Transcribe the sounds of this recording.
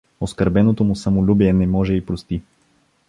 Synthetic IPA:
oskəɾbɛnot̪omusəmolʲubiɛnɛmɔʒɛipɾost̪i

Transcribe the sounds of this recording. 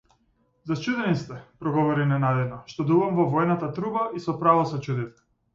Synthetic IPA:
zat͡ʃud̪ɛnist̪ɛpɾɔɡɔvɔɾinɛnad̪ɛd̪nɔʃt̪ɔd̪uvamvɔvɔɛnat̪at̪ɾubaʔisɔpɾavɔsɔt͡ʃud̪it̪ɛ̥

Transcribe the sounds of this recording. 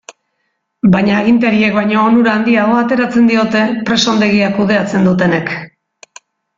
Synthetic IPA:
bajɲaːɣ̞int̪eɾie̞kβaɲo̞ːnuɾaːnd̪iaɣoat̪e̞ɾat͡se̞nd̪io̞t̪e̞pɾe̞so̞nd̪e̞ɣ̞iakuð̞e̞at͡se̞nd̪ut̪e̞ne̞k

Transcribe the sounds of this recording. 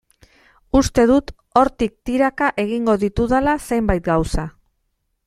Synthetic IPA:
ust̪e̞ðut̪ | o̞ɾt̪ik̚t̪iɾakaʔe̞ɣ̞iŋɡo̞ðit̪uðalase̞jmbajt̪̚ɡawsa

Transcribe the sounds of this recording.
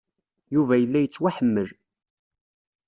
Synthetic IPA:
juvæjəlːæjət͡sːwæħəmːəl

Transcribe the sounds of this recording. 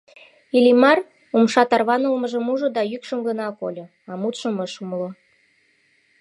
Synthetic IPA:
ilʲimɑr | umʃɑt̪ɑrβɑnəlmə̆ʒə̆muʒɤ̆d̪ɑjykʃə̆mɡə̆nɑko̰lʲɤ̆ | ɑmut̪ʃə̆məʃumlo

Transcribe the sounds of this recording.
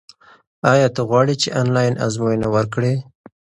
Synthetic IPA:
ɑjɑt̪əɣwɑɽit͡ʃeʔɑnlɑjnʔa̰zmojnawəɾkɽe

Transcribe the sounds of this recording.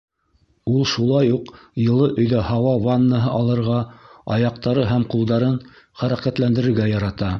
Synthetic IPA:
ulˠʃulˠɑjuqjɤ̆lˠɤʔɵ̆jðæhɑwɑvanːəɦɤʔɑlˠɤ̆ɾʁɑɑjɑq̚t̪ɑɾɤɦæmqulˠd̪ɑɾɤn | χæɾæqæt̪lænd̪ɘ̆ɾɘ̆ɾɡæjɑɾɑt̪ɑ

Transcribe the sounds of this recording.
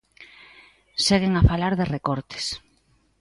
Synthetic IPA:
ʃeɣeŋafalaɾðerekoɾt̪e̥s

